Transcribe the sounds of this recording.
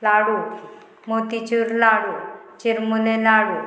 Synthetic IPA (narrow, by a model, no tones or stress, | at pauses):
laɽu | mot̪it͡ɕuɾlaɽut͡ʃiɾmulelaɽu